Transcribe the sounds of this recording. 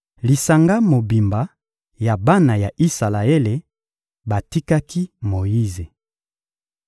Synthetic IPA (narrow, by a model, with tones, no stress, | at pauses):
li˨sa˨ŋɡa˦mo˨bi˨mba˨ | ja˨ba˦na˨ja˨ʔi˦sa˨la˨e˦le˨ | ba˨ti˦ka˦ki˦mo˨ji˦ze˨